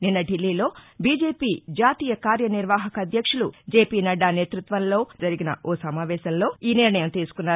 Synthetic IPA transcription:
ninːɐɖilːiːlo̞ːbiːd͡ʒe̞ːpiːd͡ʒaːt̪iːjɐkaːɾjɐniɾʋaːɦɐkɐːd̪ʱjɐkʂɐlṵd͡ʒeːpiːnɐɖaːneːt̪ɾut̪ʋɐnlo̞ːd͡ʒɐɾiɡinɐ̰oːsɐmaːʋɛːʃɐmlo̞ːiːniɾɳɐjɐmt̪iːsu̥kunːaː

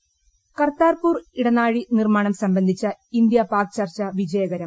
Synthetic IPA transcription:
kɐrt̪aːrpuːriɽɐnaːɻinirmaːɳɐmsɐmbɐnd̪ʱit͡ɕːɐind̪jɐpaːk̚t͡ɕɐrt͡ɕɐʋid͡ʑɐjɐɣɐɾɐm

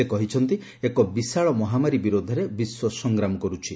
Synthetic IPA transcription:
ekɔɦit͡ʃʰɔnt̪i | ekɔbisaɭɔmɔɦamaɾibiɾod̪ʱɔɾebiswɔsɔŋɡɾamɔkɔɾut͡ʃʰi

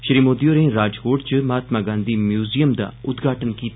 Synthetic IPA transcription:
ʃəɾiːmoːd̪ijoːɾẽːɾaːd͡ʒkoːʈt͡ʃəmaːt̪maːɡãːnd̪iːmjuːzijəmd̪a̰ːʊt̪ɡʱaːʈənkiːt̪

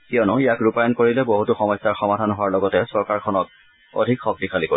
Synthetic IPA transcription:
kiɔnʊijakɹupajɔnkoɹilɛboɦutuxɔmɔjsːaɹxɔmadʱanɦowaɹlɔɡɔtɛsɔɹkaɹkʰɔnɔk̚ | o̰dʱikxɔk̚tixʰaliko

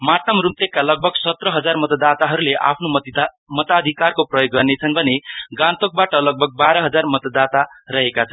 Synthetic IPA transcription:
mat̪ʌmrunt̪ekːalʌɡ̚bʱʌɡsʌt̪rʌɦʌd͡zarmʌt̪ʌd̪at̪aɦʌɾuleʔa̰pʰno | mʌt̪ad̪ʱikarkoprʌjoɡːʌrnet͡sʰʌnbʱʌneɡãt̪ok̚baʈʌlʌɡ̚bʱʌɡ̚baɾʌɦʌd͡zarmʌt̪ʌd̪at̪arʌɦekat͡sʰʌn

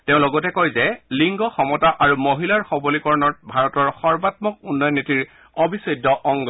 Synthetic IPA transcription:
teʊ̃lɔɡɔtɛkojzɛliŋɡɔxɔmɔtaʔaɹumoɦilaɹxɔbɔlikɔɹɔnɔt̚bʱaɹɔtɔɹxɔɹbatmɔk̚unːɔjɔnːitiɹ | ɔbisɔjdːɔʔɔŋɡ

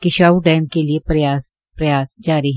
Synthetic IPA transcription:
kɪʃaːuɖaːɪmkeliepɾɐjaːs | pɾɐjaːsd͡ʒaːɾiɦ

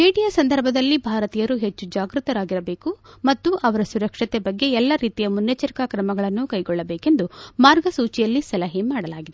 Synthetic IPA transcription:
eːʈijɐsɐnd̪ʱɐɾbʱɐd̪ɐlːibʱaːɾɐt̪ijɐɾuɦet͡ʃːud͡ʒaːɡɾut̪ɐɾaːɡiɾɐbe̞ːkumɐt̪ːuʔɐʋɐɾɐsuɾɐkʂɐt̪ebɐɡːe̞ɛlːɐɾiːt̪ijɐmunjɐt͡ʃɐɾkakɾɐmɐɡɐɭɐnːukɐjɡɔɭːɐbeːke̞nd̪umaːɾɡɐsuːt͡ʃijɐlːisɐlɐɦimaːɽɐlaːɡid̪e

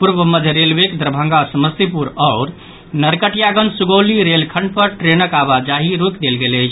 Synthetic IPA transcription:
puɾbəməd͡ʒ̪ʱɾelbekd̪ɾəbʱə̃ŋɡasəməst̪ipuɾɔʊɾ | nəɾkəʈijaɡənsuɡowliɾelkʰəɳɖpəɾʈɾenəkaβad͡ʒaɦiɾokd̪elɡelət͡ʃʰ

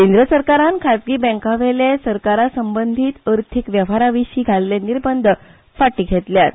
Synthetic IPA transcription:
kẽnd̪ɾəsəɾkaɾankʰat̪̚ɡiːbɛ̃ŋkaʋelesəɾkaɾasəmbənd̪ʱiːt̪əɾt̪ʰikʋjəʋ̤aɾaʋiɕiːɡʱaleleniɾbənd̪ʱə | faʈiːɡʱet̪ljat̪

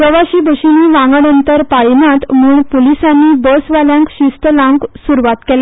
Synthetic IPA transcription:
pəʋaɕiːbʱəɕiniːʋãŋɡəɳənt̪əɾpajnat̪muːɳpolisanːiːbəsʋaljãŋkɕist̪əlãŋɡsuɾuʋat̪kɛla

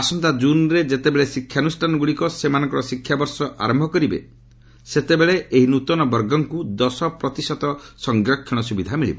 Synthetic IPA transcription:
asɔnt̪ad͡ʒunɾed͡ʒet̪ebeɭesikʰːjanusʈʰanɔɡuɭikɔsemanɔ̃ŋkɔɾɔsikʰːjabɔɾsɔʔa̰ɾɔmbʱɔkɔɾibḛ | set̪ebeɭeʔeɦinut̪ɔnɔbɔɾɡɔŋkud̪ɔsɔpɾɔt̪isɔt̪ɔsɔŋɡɾɔkʰːiɽ̃ɔsubid̪ʱamiɭḭbɔ

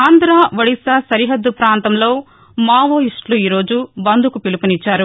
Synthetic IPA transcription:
aːnd̪ɾaːʋɐɽisasɐɾiɦɐd̪ːupɾaːnt̪ɐmlo̞ː | maːʋoːiʂʈluiːɾo̞ːd͡ʒubɐnd̪ʱukupilupunit͡ʃːaːɾu

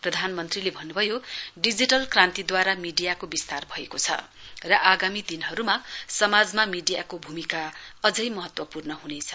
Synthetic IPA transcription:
prʌd̪ʱanmʌnt̪rilebʱʌnːubʱʌjoɖid͡ziʈʌlkrãnt̪id̪waɾamiɖijakobist̪arbʱʌekot͡sʰʌ̰ | rʌʔaɡamid̪inɦʌɾumasʌmad͡zmamiɖijakobʱumikaʌd͡zʌjmʌɦʌt̪wʌpurnʌɦunet͡sʰʌ̥

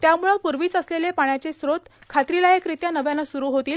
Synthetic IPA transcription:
t̪jamuɭəpuɾʋiːt͡səslelepaɳ̃jat͡sesɾot̪ | kʰat̪ɾilajekɾit̪janəʋjanːasuɾuɦot̪iːl

